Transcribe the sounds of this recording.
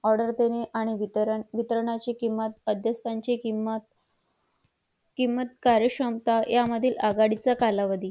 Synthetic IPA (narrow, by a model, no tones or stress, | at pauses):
ɔɾɖəɾt̪eneʔaɽ̃iʋiɾʋit̪əɾɳ̃at͡ɕekimət̪əd̪ʱjəst̪ʰaɲt͡ɕet̪ | kimːət̪kaɾjəɕɾəmt̪ajaməd̪ʱiːlʔaɡaɽit͡sakalaʋəd̪iː